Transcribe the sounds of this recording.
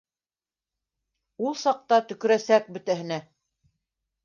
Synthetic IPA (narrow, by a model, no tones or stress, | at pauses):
ulˠsɑq̚t̪ɑt̪ɵ̆kɵ̆ɾæsæk̚bɵ̆t̪æɦɘ̆næ